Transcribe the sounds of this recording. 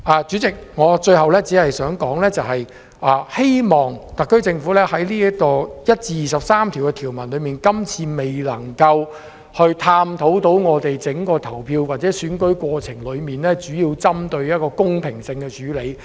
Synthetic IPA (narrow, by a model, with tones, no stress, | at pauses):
ʔaː˨t͡ʃy˨˥t͡sɪ˨k̚ŋɔː˨˧t͡ʃɵ˧ɥɦɐ˨wlɛː˥t͡siː˨˥hɐ˨jsœː˨˥ŋkɔː˨˥ŋlɛː˥t͡sɐ˨whɐ˨j | ʔaː˨˩he˥jmɔː˨˩ŋt̪ɐ˨kːɵ˥ɥt͡sɪ˧ŋfu˨˥lɛː˥hɐ˨˥jliː˥jɐ˥kɔː˧jɐ˥t̚t͡siː˧jiː˨˩sɐ˨p̚saː˥mt̪ʰiː˨˩wkɛ˧t̪ʰi˨˩wmɐ˨˩nlɵ˨˧ɥmiː˨nkɐ˥mt͡sʰiː˧me˨jlɐ˨˩ŋkɐ˧w | hɵ˧ɥt̪ʰaː˧mt̪ʰo˨˥wt̪o˨˥wŋɔː˨˧t̪e˨jt͡sɪ˨˥ŋkɔː˧t̪ʰɐ˨˩wpʰiː˧wwaː˨t̚t͡sɛː˨˥syː˨˥nkɵ˨˥ɥkʷɔː˧t͡sʰɪ˨˩ŋlɵ˨˧ɥmiː˨˩nlɛː˥t͡ʃyː˨˥jiː˧wt͡sɐ˥mt̪ɵ˧ɥjɐ˥t̚kɔː˧kʊ˥ŋpʰɪ˨˩ŋsɪ˧ŋkɛ˧t͡ʃyː˨˥le˨˧j